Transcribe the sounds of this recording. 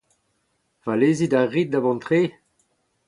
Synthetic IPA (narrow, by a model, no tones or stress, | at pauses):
valeːzidaʁit̪̚d̪avɑ̃nt̪χeː